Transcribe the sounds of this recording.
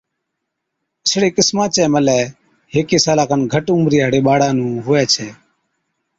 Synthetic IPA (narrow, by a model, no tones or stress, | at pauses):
əsɽeːkɪsmãːt͡ʃɛːməlɛː | ɦeːkeːsaːlãːkənɡʱəʈũːmɾiːaːɽeːɓaːɽãːnũːɦʊːɛːt͡ʃʰɛː